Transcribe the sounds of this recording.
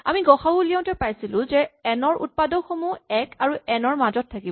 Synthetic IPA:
amiɡɔxabuliɔ̃w̃ntɛpajsilʊ̃zɛɛnɔɹṵt̚padɔxomuɛkaɹuɛnɔɹmazɔtʰːakib

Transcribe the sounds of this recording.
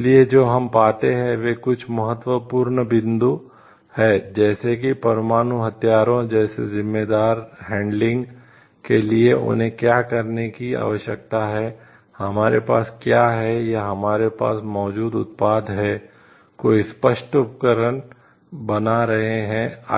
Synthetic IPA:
lied͡ʒoːɦɐmpaːt̪eɦɛ̃ʋekʊt͡ʃʰmɐɦət̪wəpuːɾɳbɪ̃nd̪u | hɛːd͡ʒɛːsekipɐɾmaːnuɦɐt̪jaːɾõd͡ʒɛːsḛzɪmːeːd̪aːɾɦɛ̃ːɳɖlɪ̃ŋɡ | kelieʔʊ̰nɦẽkjaːkɐɾnekia̰ːʋəʃjək̚t̪aɦɛ | hɐmaːɾepaːskjaːɦɛjaɦɐmaːɾepa̰ːsmɔːd͡ʒuːd̪ʊt̪̚paːd̪ɦɛː | koːispəʃʈʊpkəɾən | bɐnaɾɐɦeɦɛ̃a

